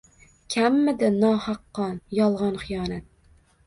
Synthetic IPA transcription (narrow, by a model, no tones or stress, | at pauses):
kʲʰæmːɪd̪ɪnɑːhɑqːɑnjɒlˠʁɑnχijɑːnat̪̚